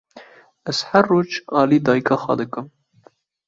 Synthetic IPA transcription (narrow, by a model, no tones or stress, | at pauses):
ɛz̥hærːoːd͡ʒɑːliːd̪ɑːjkɑxwɑ̰d̪ɨkɨm